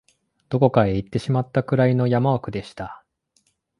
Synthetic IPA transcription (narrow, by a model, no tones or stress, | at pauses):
d̪̥o̞ko̞kae̞it̪ːe̞ɕimat̪ːakɯ̟ɾaino̞jamaokɯ̟d̪e̞ɕi̥t̪a